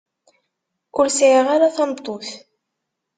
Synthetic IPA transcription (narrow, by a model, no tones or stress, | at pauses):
ʊlsʕiʁaɾaθɑnt̪ˤːoθ